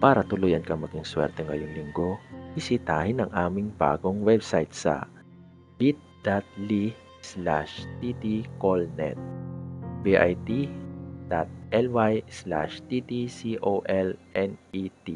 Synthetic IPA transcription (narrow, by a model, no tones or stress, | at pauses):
paːɾɐt̪ʊlʊjɐnkɐŋmɐɡiŋswɛ̰ɾt̪ɛŋɐjoŋlɪŋɡo̞hɪsɪt̪aːhɪnɐŋʔaːmɪŋba̰ːɡoŋwɛbsajt̪sɐ̰ | bit̪̚d̪̥at̪̚li | sla̰ʃt̪id̪ikolnɛ̰t̪̚biʔajt̪id̪̥at̪̚ʔɛlwajsla̰ʃt̪id̪isiʔoʔɛlɛnʔit̪i